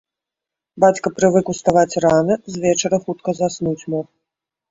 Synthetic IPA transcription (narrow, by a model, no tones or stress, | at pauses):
bat͡sʲkɐpɾɨvɨkust̪avat͡sʲranɐzvʲɛt͡ʂɐɾɐxut̪kɐzasnut͡sʲmɔ